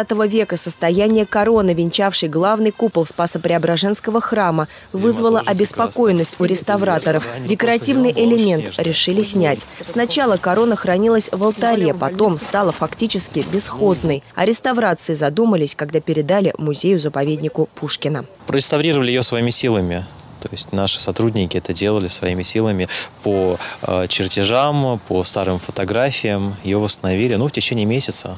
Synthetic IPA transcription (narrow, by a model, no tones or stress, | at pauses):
t̪əvəvʲe̞kəsəst̪ɐjænʲɪjəkɐɾo̞nɨvʲɪnʲt͡ɕafʂɨjɡlˠavnɨjkupəlˠspasəpɾʲɪɐbɾɐʐɛnskəvəxramə | vɨzvəlˠəʔɐbʲɪspɐko̞jɪnːəsʲtʲʊɾʲɪst̪ɐvɾat̪əɾəfdʲɪkəɾɐtʲivnɨjʔɪlʲɪmʲent̪ɾʲɪʂɨlʲɪsʲnʲætʲsnɐt͡ɕalˠəkɐɾo̞nəxɾɐnʲilˠəsʲvəlˠt̪ɐɾʲepɐt̪o̞mst̪alˠəfɐktʲit͡ɕɪskʲɪbʲɪsxo̞d̪znəjɐ̰ɾʲɪst̪ɐvɾat̪sɨɪzɐd̪uməlʲɪsʲkɐɡd̪apʲɪɾʲɪd̪alʲɪmʊzʲejʊzəpɐvʲedʲnʲɪkʊpʰuʂkʲɪnəpɾəɾʲɪst̪ɐvɾʲiɾəvəlʲɪjɪjosvɐimʲɪsʲilˠəmʲɪ | t̪oɪsʲtʲnaʂɨ̥sɐt̪ɾudʲnʲɪkʲɪɛt̪ədʲe̞lˠəlʲɪsvɐimʲɪsʲilˠəmʲɪpo̰ | t͡ɕɪrtʲɪʐampʰəst̪aɾɨmfət̪ɐɡɾafʲɪjəmjɪjovəst̪ənɐvʲilʲɪnuftʲɪt͡ɕenʲɪːmʲesʲɪt̪sə̰